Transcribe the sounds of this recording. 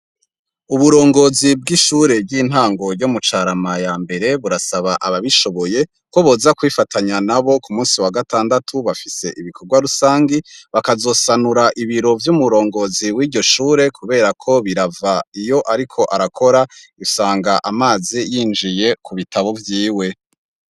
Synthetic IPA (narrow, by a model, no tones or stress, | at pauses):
uβuɾo̞ːŋɡo̞ːzib̚ɡiʃuːɾe̞bɡiːn̥haːŋɡo̞ɾɟomut͡ʃaːɾamajaːmbe̞ɾe̞βuɾasaβaʔaβaβiʃo̞βo̞je̞ | kwoβoːzakwifatʰaɲanaβo̞kumuːsiwaɡataːndatʰuβafise̞ʔiβikʰo̞ɾɡwaɾusaːŋɡiβakazo̞ːsanuɾaʔiβiɾo̞vjumuɾo̞ːŋɡo̞ziwiːɾɟo̞ʃuːɾe̞kʰuβe̞ːɾakʰo̞βiɾavaijo̞ʔaɾikʰo̞ʔaɾakʰo̞ɾaisaːŋɡaʔamaːzijiːnd͡ʒije̞kʰuβitʰaβo̞vjiːwe̞